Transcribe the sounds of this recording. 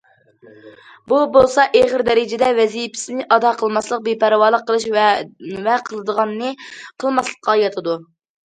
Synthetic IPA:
bubolˠsɑʔeʁəɾd̪ɛɾɪd͡ʒɪd̪ɛvɛzijpɪ̥sɪnɪʔɑd̪ɑqʰəlˠmɑslˠəq̚bepæɾwɑːlˠəqʰːəlˠɨʃ | vɛqʰəlˠɨd̪əʁɑnːɨqʰəlˠmɑslˠə̥qːɑjɑt̪ʰɨd̪u

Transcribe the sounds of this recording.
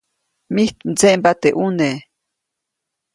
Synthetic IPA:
miht̪mt͡seʔmbat̪eʔune

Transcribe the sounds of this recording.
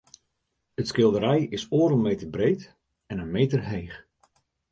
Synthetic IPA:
ətskɪlˠdəɾɛjɪsoːɾəmeːtərbreːt | ɛnənmeːtərɦejx

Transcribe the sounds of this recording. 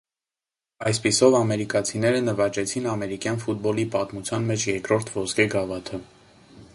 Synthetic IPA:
ɑjspisɔvɑmɛɾikɑt͡sʰinɛɾənəvɑt͡ʃɛt͡sʰinɑmɛɾikjɑnfut̪̚bɔlipɑt̪mut͡sʰjɑnmɛt͡ʃʰjɛɾkɾɔɾt̪ʰvɔskɛɡɑvɑt̪ʰə

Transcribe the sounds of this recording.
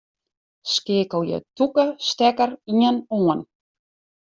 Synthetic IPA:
skɪːkəwjɛ̰tukəstɛkəɾiənuən

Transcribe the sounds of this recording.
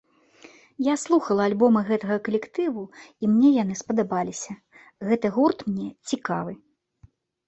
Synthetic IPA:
jaslˠuxɐlˠɐːlʲbɔmɨɣɛt̪ɐɣɐkɐlʲɛkt̪ɨvuimnʲɛjan̪ɨspɐd̪abalʲisʲɐ | ɣɛt̪ɨɣurt̪mnʲɛt͡sʲikavɨ

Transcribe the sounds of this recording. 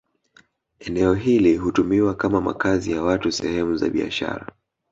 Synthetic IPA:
ɛnɛɔɦiliɦutumiwakamama̰kazijawatusɛhɛmuza̰ɓia̰ʃa̰ɾa

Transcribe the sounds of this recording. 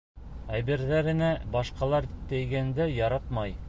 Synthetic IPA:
æbiɾðæɾɘ̆næbɑʃqɑlˠɑɾt̪ɘ̆jɡænd̪ɘjɑɾɑt̪mɑj

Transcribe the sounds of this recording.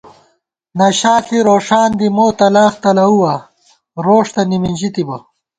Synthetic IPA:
nɐɕaːɬiɾoːʂaːnd̪imoːt̪ɐlaːxt̪ɐlɐuwɐ | ɾoːʂt̪ɐnimind͡ʑit̪ibɐ

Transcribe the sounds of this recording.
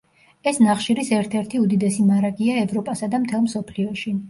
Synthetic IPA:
ɛsnaχʃiɾisɛɾt̪ʰɛɾt̪ʰiud̪id̪ɛsimaɾaɡiaɛvɾɔpʼasad̪amt̪ʰɛlˠmsɔpʰliɔʃi

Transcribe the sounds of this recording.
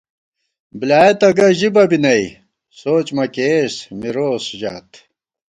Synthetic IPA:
bilaːjet̪ɐɡɐʑibɐbinɐj | soːt͡ɕmɐkeːsmiɾoːsʑa̰ːt̪

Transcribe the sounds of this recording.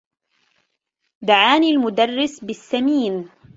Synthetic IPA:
d̪aʕaːnilmʊd̪arːɪsbɪsːamiːn

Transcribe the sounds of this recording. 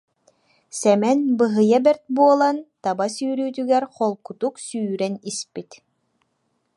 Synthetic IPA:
sɛmɛnbɯɦɯjabɛɾt̪̚buɔlˠant̪abasyːɾyːt̪yɡɛɾχɔlˠkut̪uksyːɾɛnispit̪

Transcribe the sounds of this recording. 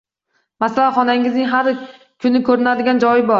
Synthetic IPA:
masalaχɒnaŋɪznɪŋʲɦaɾ | kʰʊnɪkʰɵɾɪnad̪ɪɡʲand͡ʒɒjɪbɒɾ

